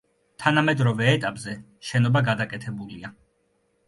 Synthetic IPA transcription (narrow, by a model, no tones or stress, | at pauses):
t̪ʰanamɛd̪ɾɔvɛːt̪ʼapʼzɛ | ʃɛnɔbaɡad̪akʼɛt̪ʰɛbulia